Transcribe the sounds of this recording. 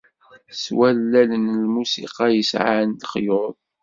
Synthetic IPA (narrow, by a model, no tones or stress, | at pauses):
swælːælənlmusḭqɑjəsʕant̪χjʊðˤ